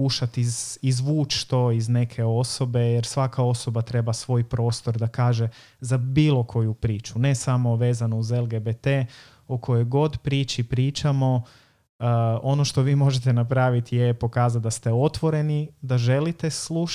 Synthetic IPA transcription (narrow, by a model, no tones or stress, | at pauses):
uʃat̪izizʋuːt͡ʃt̪o̞izne̞kʰe̞o̞so̞be̞jeɾsʋakao̞so̞bat̪ɾe̞basʋo̞ːjpɾo̞ːst̪o̞ɾd̪akaːʒe̞ | zabiːlˠo̞kʰo̞jupɾiːt͡ʃune̞samo̞ʋe̞ːzanouzelˠɡebet̪e | okʰo̞jo̞jɡo̞d̪pɾiːt͡ʃipɾiːt͡ʃamo̞ | o̞no̞ʃt̪o̞ʋiːmo̞ʒet̪enapɾaːʋit̪ijepo̞kaːzat̪̚d̪ast̪e̞o̞t̪ʋo̞ɾe̞nid̪aʒe̞lit̪e̞slu